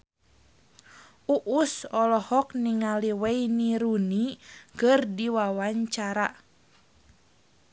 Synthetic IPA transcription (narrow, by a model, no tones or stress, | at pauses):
uʔusɔlɔhɔk̚niŋaliwɛiniɾunikɨrdiwawaɲt͡ʃaɾa